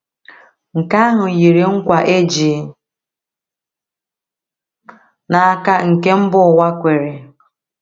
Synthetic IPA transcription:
ŋ̩˨ka˦ɦʊ˨ji˨ɾe˨ŋ̩˦kʷa˨ʔe˦d͡ʒi˨˦ | na˨a˦ka˦ŋ̩˨ke˦m̩˦bʊ˦˨wa˦kʷe˨ɾe˨

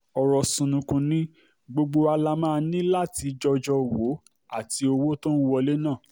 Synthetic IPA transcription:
ɔ˨ɾɔ˨sũ˧nũ˧kũ˧nĩ˦ | ɡ͡bo˧ɡ͡bo˧a˧la˧mãː˦˧nĩ˦la˦˨ti˧d͡ʒɔ˧d͡ʒɔ˧˨wo˨˦ | a̰˦˨ti˧o˧wo˦tõ˦n̩˦wɔ˧le˦nã˦˨

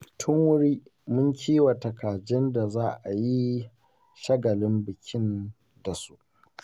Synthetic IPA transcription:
tʰʊ˦ŋwʊ˦ɾiː˦mʊ˦ŋkʲʰiː˦wa˨tɐ˨kaː˨d͡ʒɪ˦nda˨zaː˦ʔa˨ji˦ | ʃɐ˦ɡɐ˨lɪ˦mbɪ˨kʲʰɪ˦n | da˨su̥˦ʔ

